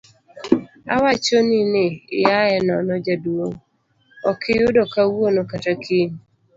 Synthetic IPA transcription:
a̰wat͡ʃɔnɪneːjaɛnɔnɔd͡ʒadwoŋ | ɔkʰɪjʊdɔkawonokatakʰin

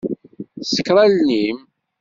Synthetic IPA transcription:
sə̥kɾˤalnim

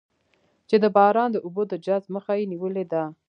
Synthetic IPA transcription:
t͡ʃed̪əbɑɾɑnd̪əʔubod̪əd͡ʒazməxajeniwəled̪a

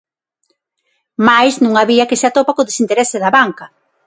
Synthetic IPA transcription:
majznũŋaβiɐkɪseat̪opakoðesint̪eɾɛsɪðɐβaŋkɐ

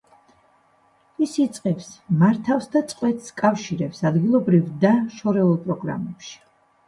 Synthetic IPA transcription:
isit̪sʼqʼɛpsmaɾt̪ʰafsd̪at̪sʼqʼwɛt̪skʼafʃiɾɛpsad̪ɡilˠɔbɾivd̪aʃɔɾɛulˠpʼɾɔɡɾa̰mɛpʃi̥

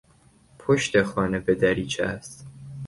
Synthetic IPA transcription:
pʰoʃt̪exɒːnebed̪æɾiːt͡ʃʰææst̪

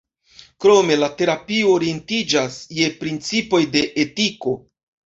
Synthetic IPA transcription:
kɾo̞me̞late̞ɾapioːɾie̞ntid͡ʒasje̞pɾint͡sipo̞jde̞ʔetiko̞

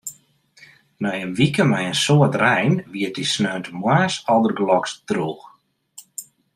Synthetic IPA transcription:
nɛjənʋikəmɛjənsoətrɛjnʋiət̚disnøːntəmwaːsɔlˠdərɡlɔksdruːx

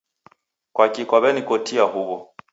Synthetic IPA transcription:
kwakikaβɛnikɔtiahuβɔ

